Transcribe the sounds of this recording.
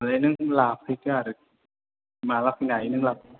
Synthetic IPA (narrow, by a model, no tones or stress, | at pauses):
lanɯŋlaːpʰikaɾɯ | maːlap̚ːinainɯŋlap̚